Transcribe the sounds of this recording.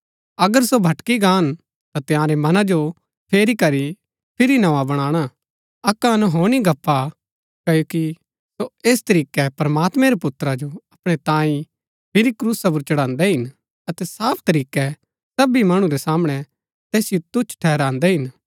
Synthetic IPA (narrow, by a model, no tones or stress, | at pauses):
ɐɡəɾsobʱɐʈkiɡaːn | t̪at̪ɪjãːɾemɐnad͡ʒo | pʰeːɾikɐɾi | pʰɪɾinɐʋãbɐɽ̃ãːɽ̃a | ɐkːanuɦoːɽ̃iɡʱɐpʰːa | kɐjoːki | soeːst̪ɐɾiːkɛpɐɾɐmaːt̪mɛ̃ɾepʊt̪ːɾad͡ʒoɐpɽ̃et̪ãːĩ | pʰɪɾikɾuːsap̬uɾt͡ʃɐɽãːnd̪ɛɦɪn | ɐt̪ɛsaːpʰt̪ɐɾiːkɛ | sɐbimɐɽ̃ũɾɛsaːmɽ̃ɛ | t̪eːsɪjot̪ʊt͡ʃʰʈʰɛːɦɾãːnd̪ɛɦɪn